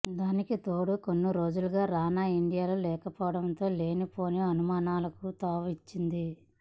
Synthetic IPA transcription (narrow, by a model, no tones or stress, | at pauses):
d̪aːnikit̪o̞ːɽuko̞nːiɾo̞ːd͡ʒuluɡaːɾaːnaːiɳɖijaːlulɛːkɐpɔːɐɽɐnt̪o̞ːle̞ːnipo̞ːneɐnumaːnaːlɐkut̪aːʋit͡ʃːind̪i